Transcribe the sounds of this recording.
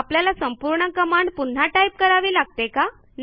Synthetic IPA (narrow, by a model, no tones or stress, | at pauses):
apljalasəmpuɾɳəkəmaɳɖpun̤ːaʈaip̚kəɾaʋiːlaɡ̚t̪eka | n